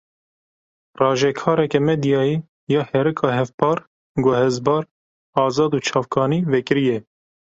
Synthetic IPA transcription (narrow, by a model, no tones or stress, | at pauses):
rɑːʒɛkʰɑːɾɛkɛmɛd̪jɑːjiː | jɑːhɛɾɨkʰɑːɦɛfpʰɑːɾ | ɡɛhɛzbɑːɾ | ɑːzɑːd̪uːt͡ʃʰɑːvkɑːniːvɛkɨɾijɛ